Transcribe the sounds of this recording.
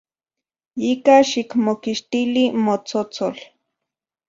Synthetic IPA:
ikaʃikmokiʃt̪ilimot͡sot͡sol

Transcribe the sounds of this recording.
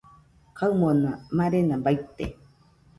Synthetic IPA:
kʰaɯmonamaɾenabajt̪ḛ

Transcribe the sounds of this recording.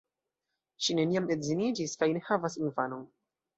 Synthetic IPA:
ʃine̞niame̞dzinid͡ʒiskajne̞xavasinfano̞n

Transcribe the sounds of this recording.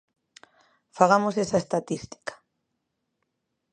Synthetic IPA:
faɣamosesɐest̪at̪ist̪i̥kḁ

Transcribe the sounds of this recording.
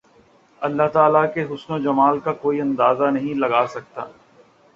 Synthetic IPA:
ɐlːaɦt̪aːlakeɦʊsnod͡ʒɐmaːlkakoːiɐ̃nd̪aːzanɐɦĩlɐɡaːsɐk̚t̪a̰ː

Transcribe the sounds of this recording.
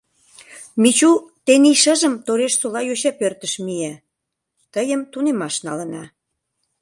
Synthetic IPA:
mit͡ɕut̪eniʃəʒə̆mt̪oɾeʃsolɑjoɕɑpørt̪ə̆ʃmijæ | t̪əjəmt̪unemɑʃnɑlə̆nɑ

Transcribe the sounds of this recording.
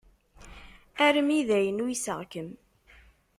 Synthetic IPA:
æɾəmiðæjənujisə̰ʁkəm

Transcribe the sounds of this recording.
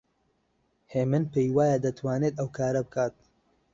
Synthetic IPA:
heːmɨnpejwaːjad̪ɐt̪ʰwaːneːt̪ɐwkaːɾɐbɨkʰaːt̪̚

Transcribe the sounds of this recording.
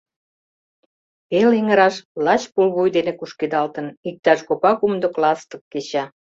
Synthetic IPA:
peleŋəɾɑʃlɑt͡ɕpulɣujd̪enekuʃked̪ɑlt̪ə̆nik̚t̪ɑʃkopɑkumd̪oklɑst̪ə̆kːet͡ɕɑ

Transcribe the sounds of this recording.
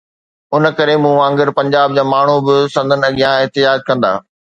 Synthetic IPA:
ʊnə̆kɐɾemũːãŋɡɪɾpɐ̃ɲd͡ʑaːb̚d͡ʑaːmaːɳ̤ubɪsɐ̃nd̪ʱənɐɠijãɪɦt̪ɪd͡ʑaːd͡ʑkɐ̃nd̪a̰ː

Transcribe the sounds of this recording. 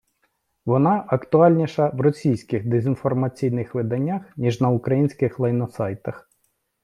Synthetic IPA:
ʋɔnɑʔɐkt̪ʊɑlʲnʲiʃɐʋrɔsʲijsʲkɪɣd̪ezʲinfɔrmɐt͡sʲijnɪxʋɪd̪ɐnʲːaxnʲiʒnɐʊkɾɐjinʲsʲkɪxlˠɐjnɔsɑjt̪ɐx

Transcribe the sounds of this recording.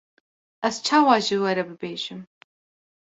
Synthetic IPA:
ɐst͡ʃʰaːwaːʒɪwɐɾɐbɨbeːʒɪm

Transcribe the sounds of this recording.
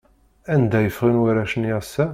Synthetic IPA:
ænd̪æjəfʁinwəɾæʃəniæsːæ

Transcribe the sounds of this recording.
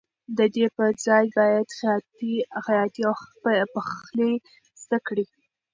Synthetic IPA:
d̪əd̪epəɾd͡zɑjbɑjad̪xjɑt̪ixajɑt̪iawpəxle | z̥d̪akɽi

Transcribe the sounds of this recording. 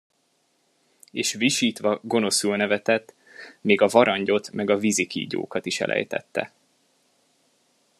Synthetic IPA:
eːʃviʃiːt̪ʋɒɡo̞no̞sylnɛvɛt̪ɛt̪ | meːɡɒvɒɾɒɲɟo̞t̪mɛɡɒvizikḭːɟo̰ːkɒt̪iʃɛ̰lʔɛ̰jt̪ɛ̰t̪ːɛ̰

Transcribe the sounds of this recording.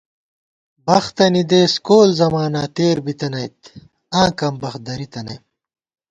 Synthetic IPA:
bɐxt̪ɐnid̪eːskoːlzɐmaːnaːt̪eːɾbit̪ɐnɐjt̪ | ãːkɐmbɐxd̪ɐɾit̪ɐnɐ̰jm

